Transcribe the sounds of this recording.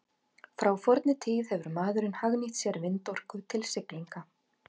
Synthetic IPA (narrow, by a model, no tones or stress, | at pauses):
fɾawfɔɾt̪nɪt̪ʰiːðhɛvʏɾmaːðʏɾɪnhaɣniht̪sjɛɾvɪnt̪ɔr̥kʏt̪ʰɪlsɪkliŋka